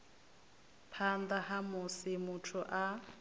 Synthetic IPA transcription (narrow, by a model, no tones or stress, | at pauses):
pʰand̪ahamʊsɪmutʰʊʔa